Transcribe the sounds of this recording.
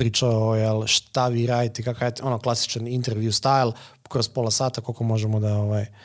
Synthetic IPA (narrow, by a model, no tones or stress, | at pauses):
ɾiːt͡ʃaojɛlʃt̪aʋiːɾaːd̪it̪ekakaet̪onoklˠasi̥t͡ʃanint̪eɾʋjust̪ajlˠ | kɾo̞spo̞lasaːt̪ako̞lkomo̞ʒemod̪aoʋaj